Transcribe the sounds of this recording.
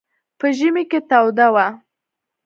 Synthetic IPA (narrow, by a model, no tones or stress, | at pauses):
pəʒəmeket̪awd̪awa